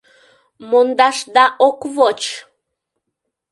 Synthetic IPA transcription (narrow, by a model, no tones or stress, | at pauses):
mond̪ɑʃd̪ɑʔokvot͡ʃ